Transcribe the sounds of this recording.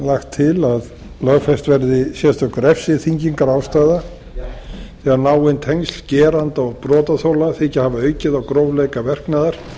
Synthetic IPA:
laxt̪ʰːɪlað | lœɣfɛst̪vɛɾðɪsjɛst̪œhkʏɾɛfsɪθiɲciŋkaɾawst̪aːjða | θɛɣaɾnaːwɪnt̪ʰejŋsl̥cɛːɾant̪ɔɣpɾɔːt̪aθowlaθɪhcːɪhavaœɥcɪðawkɾowvlejkavɛr̥knaːðaɾ̥

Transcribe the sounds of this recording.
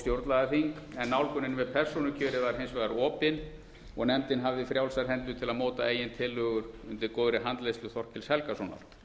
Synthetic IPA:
st̪jowɾt̪laɣaθiŋkɛnːawlkʏnːɪnvɛðpʰɛr̥sunʏcʰœːɾɪvaɾ̥ɦejnsvajðaɾɔːpɪn | ɔɣnɛmt̪ɪnɦavðɪfɾjawlsaɾ̥ɦɛnt̪ʏt̪ʰɪlaðmoːwt̪aeːjɪnt̪ʰɪlːʏɣʏɾʏmt̪ɪɾkoːðɾɪɦant̪lejst̪lʏθɔr̥cɪlshɛlkasɔna̰ɾ̥

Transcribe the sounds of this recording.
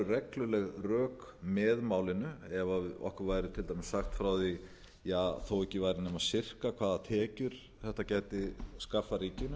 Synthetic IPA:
ʏrɛklʏlɛɣrœːkmɛðmaːwlɪnʏɛvaɔ̰hkʏɾvaːjɾɪt̪ʰɪlt̪ajmɪsːaxt̪fɾawði | jaːθowɛhcɪvaːjɾɪnɛmasɪr̥kakʰv̥aːðat̪ʰɛːcʏɾ̥ | θɛht̪acɛːjt̪ɪskafːaɾiːcɪnʏ

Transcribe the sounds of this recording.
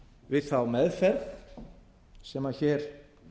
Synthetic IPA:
vɪðθawmɛðfɛɾð | sɛmaçɛːɾ̥

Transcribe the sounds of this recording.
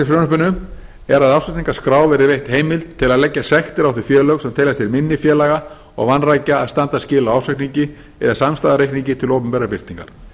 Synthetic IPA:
afɾœːnʏhpʏnːʏ | ɛɾaðawsat̪niŋkaskɾaːwvɛɾɪvejht̪heːjmɪlt̪t̪ʰːɪlaðlɛcːasɛxt̪ɪɾawθʏ̥fjɛːlœɣsɛmt̪ʰejlast̪ɪɾmɪnːɪfjɛːlaɣa | ɔ̰ɣvanːraːjcaːðst̪ant̪ascɪːlawawsɛhkniɲcɪ | ɛ̰ðasamst̪aːðaɾehkniɲcɪt̪ʰɪlowpʏmpɛɾapɪr̥t̪niŋka̰ɾ̥

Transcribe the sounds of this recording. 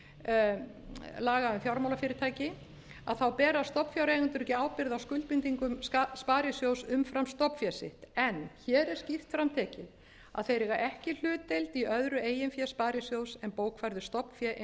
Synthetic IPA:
laːɣaʏmθjawɾmawlafjɪːɾɪɾt̪ʰaːjcɪ | a̰ðθawpɛːɾast̪ɔpfjawɾejɣʏnt̪ʏɾcɪaːwpɪɾðawskʏlt̪̚pɪnt̪iŋkʏmspaːɾjɪsjowsʏmfɾamst̪ɔpfjɛsɪ̰ht̪ɛnːçɛːɾɛɾ̥scift̪fɾamt̪ʰɛːcɪ | a̰ðθejɾɛɣaʔɛhcɪl̥ʏːt̪ejlt̪iœðɾʏeːjɪnfjɛspaːɾjɪsjoːwsɛnpoːwkʰfajɾðʏst̪ɔpn̥fjɛʔ

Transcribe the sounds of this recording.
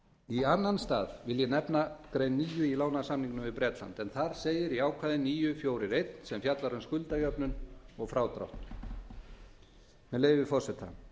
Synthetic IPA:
ianːanst̪aːðvɪljɛnɛpnakɾejnːiːjʏilaːwnasamniŋknʏmvɪðpɾɛːt̪la̰nt̪ɛnθaɾ̥seːjɪɾiaːwkʰvaːðɪniːjʏfjowɾɪɾejt̪nsɛmfjat̪laɾʏnskʏlt̪ajœpnʏnɔɣfɾaːwt̪ɾɔ̰wht̪n̥ | mɛðleːjvɪfɔr̥sɛt̪ʰːa̰n

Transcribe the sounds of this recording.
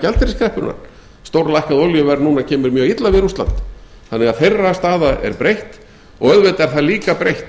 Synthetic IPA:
cɛlt̪ɪɾɪskʰɾɛhpʏna̰ɾ̥ | st̪owɾlajhkaðowljʏvɛɾnuːnacʰɛːmʏɾmjœːɣit̪lavɪðɾust̪la̰nt̪ | θanːɛɣaðθejrːast̪aːðaʔɛ̰ɾpɾejht̪ | ɔɣœðvet̪ɛɾ̥θaliːkapɾejht̪

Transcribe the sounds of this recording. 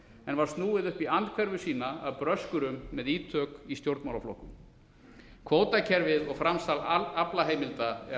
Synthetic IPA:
ɛnvaɾ̥st̪nuːɪðʏhpiant̪kʰvɛɾvʏsiːnaawpɾœskʏɾʏmːɛðiːt̪ʰœːkist̪jowɾt̪mawlaflo̰hkʏm | kʰvoːwt̪acʰɛɾvɪðɔɣfɾamst̪alaplaɦeːjmɪlt̪a

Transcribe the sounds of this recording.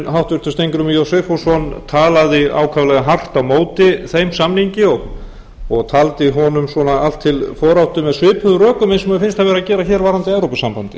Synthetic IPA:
nɦawht̪vʏɾt̪ʏst̪ejŋkɾʏmjɔsɛfosɔnt̪ʰaːlaðɪa̰ːwkʰavlɛɣaɦar̥t̪awmoːwt̪ɪθejmsamniɲcɪɔɣ | ɔɣt̪ʰaːlt̪ɪɦɔnʏmswɔnaal̥t̪ʰːɪlfɔːɾawht̪ʏmɛðsvɪːpʏðʏrœːkʏmejnsmɛðʏfɪnst̪ʰavɛːɾacɛːɾaçɛːɾvaːɾant̪ɪɛvɾowpʏsampant̪ɪ̥̰

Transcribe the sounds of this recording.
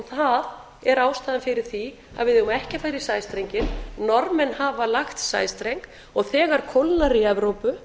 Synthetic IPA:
θað | ɛɾaːwst̪aːðɪnfɪɾɪɾ̥θi | a̰vɪðʏʏmaɛhcafajɾɪ̥saːjst̪ɾejɲcɪnnɔɾmɪnhaːvalaxt̪sa̰ːjst̪ɾejŋk | ɔɣθɛːɣaɾ̥kʰɔwlnaɾiɛvɾowpʏ

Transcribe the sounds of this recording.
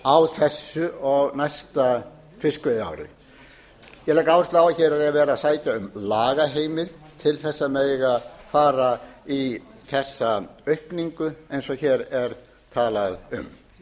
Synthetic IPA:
awθɛsːʏɔɣnajst̪a | fɪskʏða̰wɾɪ̰ | jɛlajkaaːwɪst̪laːwaçɛːɾaɛavɛːɾasaːjt̪aʏmlaːɣaɦeːjmɪðt̪ʰɪlθɛsːaðmɛðjɛɣafaːɾaiθɛsːaœɥhpniŋkʏejnsɔçɛːɾɛɾ | t̪ʰaːlaðʏ̰m

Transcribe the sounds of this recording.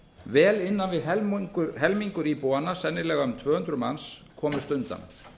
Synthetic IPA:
vɛːlɪnːanvɪðɦɛɦɛlmiŋkʏɾipuwanːasɛnːɪlɛːɣaʏmt̪ʰvœːhʏnt̪ɾʏma̰nskʰɔːmʏst̪ʏnt̪a̰n

